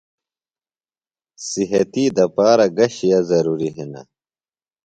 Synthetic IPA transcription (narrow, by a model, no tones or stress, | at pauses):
siɦɐt̪iːd̪ɐpaːɾɐɡɐɕijazɐɾuːɾiɦinɐ̰